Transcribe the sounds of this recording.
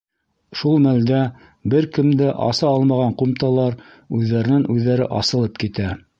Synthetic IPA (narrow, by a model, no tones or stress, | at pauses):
ʃulˠmæld̪æ | bɘɾkɘ̆md̪æʔɑ̰sɑɑlˠmɑʁɑɴqumt̪ɑlˠɑɾ | ʉðːæɾɘ̆nɘŋʔʉðːæɾɘ̰ʔɑ̰sɤ̆lˠɤp̚kit̪æ